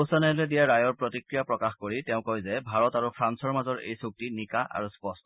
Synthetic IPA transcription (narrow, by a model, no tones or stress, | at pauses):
osanalɛdijaɹajɔɹpɹotikɹijapɹɔkaxkoɹitɛʊ̃kojzɛbʱaɹɔtaɹupʰɹansɔɹmazɔɹḛjsuk̚tinikaʔa̰ɹuspɔstɔ